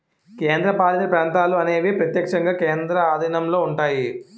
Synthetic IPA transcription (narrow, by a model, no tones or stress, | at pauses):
keːnd̪ɾɐpaːlɐt̪ɐpɾaːnt̪aːluɐne̞ːʋipɾɐt̪jɐkʂɐŋɡaːkeːnd̪ɾɐaːd̪ʱɐnɐmlo̞ːuɳʈaːji